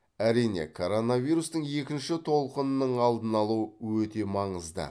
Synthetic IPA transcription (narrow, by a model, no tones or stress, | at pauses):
æɾijne̞̰kʰo̞ɾo̞navʲijɾust̪əɴje̞kʲɪnʃɪt̪ʰo̞lˠqənənəɴɑlˠd̪ənɑlˠuəwɵt̪e̞mɑɴəzd̪ə̰